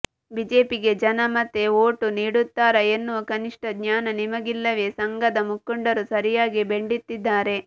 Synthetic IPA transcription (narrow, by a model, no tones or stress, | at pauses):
bid͡ʒe̞ːpiɡe̞d͡ʒɐnɐmɐt̪ːeoːʈuniːɽut̪ːaːɾɐenːuʋɐkɐniʂʈɐɡɲaːnɐnimɐɡilːɐʋe̞ːsɐŋɡɐd̪ɐmukːuɳɖɐɾusɐɾijaːɡibe̞ɳɖit̪ːid̪ːaːɾe̞